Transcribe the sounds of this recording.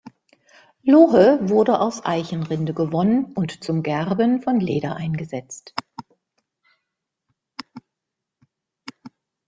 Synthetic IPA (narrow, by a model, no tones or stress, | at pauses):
loɦəvʊɐdəʔaʊsʔa̰ɪçənʁɪndəɡəvɔnənʊntt͡sʊmɡɛʁbənfɔnlḛːɾɐʔaɪnɡəzɛt͡st